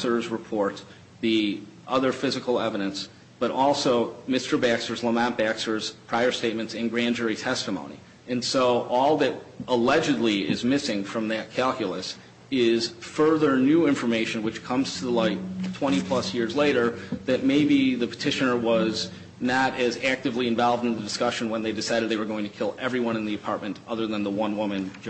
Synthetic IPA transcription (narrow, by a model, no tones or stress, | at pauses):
sə˞zɹɨpʰɔɹt̪̚ | ðiʔʌðə˞fɪzɨkl̩ˠɛvəɾɨ̃ns | b̥ʌɾʔɔlˠsoʊmɪstə˞bæksə˞zləmɛ̃nb̥æksə˞z̥pʰɹ̥aɪə˞steɪt̚mɨ̃ntsɨ̃nɡɹæ̃nd͡ʒɛɹitʰɛstəmõʊ̃nḭ | ɨ̃nsoʊʔɔlˠðɨɾəlɛd͡ʒɨdˡliɪ̰zmɪsɪ̃ŋfɹʌ̃mðɨt̚kʰælˠkjl̩ˠəs | ɪz̥fɜ˞ðə˞nʉɪ̃ɱfə˞meɪʃɨ̃nwɨt͡ʃkʰʌ̃mz̥tʰəðəlaɪktʰw̥ɛ̃ɾ̃ipʰl̥ʌsjɪɹzleɪɾə˞ðɨt̚meɪbiðɨpʰə̥tʰɪʃɨnə˞wʌz | nəɾɨzæk̚tɨvliɨ̃ɱvɑlˠvdɨ̃n̩ðɨdɨskʌʃɨ̃nwə̃nðeɪdɨsaɪɾɨd̪̚ðeɪwə˞ɡoʊɪ̃ŋtʰɨ̥kʰɪlˠɛvɹiwʌ̃ñɨ̃nðiɨpʰɑɹt̚mɨ̃ntʌðə˞ðə̃nðəwʌ̃nwʊmɨ̃n